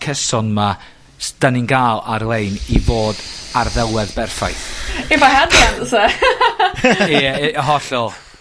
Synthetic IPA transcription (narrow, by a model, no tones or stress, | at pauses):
kʰəsɔnma | sd̥ənɪŋɡaːlˠarlˠejniboːdarðɛlˠwɛðbɛrfa̰jθivaɦanɛnsɛ | ɦɔɬɔlˠ